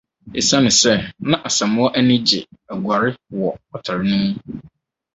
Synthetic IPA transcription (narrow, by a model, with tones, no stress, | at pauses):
e˨sã˦nʊ̃˨sɛ˦nã˦ʔa˨sã˨mʊ̃˦ɔ˦ʔɛ˦nɪ̃˦d͡ʑɪ̰˨æ˨ɡʷa˨ɾɪ˦wɔ˨ɔ˨tʰa˨ɾɪ˦nʊ̃˦m˦